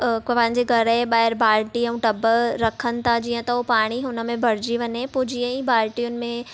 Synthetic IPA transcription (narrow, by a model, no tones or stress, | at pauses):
pɐ̃ɦɪ̃ɲd͡ʑeɡʱɐɾəɓaːɪɾbaːɾʈiɐ̃ʊ̃ʈɐbəɾɐkʰənɪ̆t̪ʰad͡ʑiːə̃t̪ɐopaːɽ̃iɦʊnə̆mẽbʱɐɾ̤d͡ʑiʋɐɲepoːd͡ʑiːə̃ibaːɾʈijʊnɪ̆mẽ